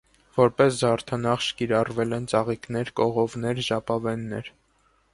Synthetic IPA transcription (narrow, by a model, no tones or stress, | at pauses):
vɔɾpɛsd̪ɑɾt̪ʰɑnɑχʃkiɾɑrvɛlɛnt͡sɑʁiknɛɾkɔʁɔvnɛɾʒɑpɑvɛnːɛɾ